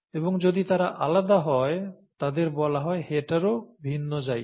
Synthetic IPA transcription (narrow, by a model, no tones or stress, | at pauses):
eboŋd͡ʑod̪it̪aɾaʔalad̪aɦɔet̪ad̪eɾbɔlaɦɔeheʈaɾobʱinːod͡ʑaj